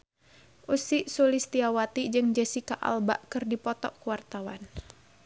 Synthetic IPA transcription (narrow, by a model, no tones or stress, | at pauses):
ʔusiʔsulist̪iawat̪id͡ʒɨŋd͡ʒɛsikaʔa̰lbaʔkɨrdipɔt̪ɔ̰ʔkuwart̪awa̰n